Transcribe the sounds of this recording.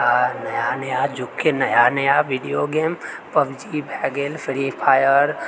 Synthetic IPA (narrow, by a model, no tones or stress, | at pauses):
anɐjanɐjad͡ʒʊkʰːenɐjanɐjaʋiɖijoːɡeːmpɐʋd͡ʒibʱɛːɡelfʰɪɾipʰaːjəɾ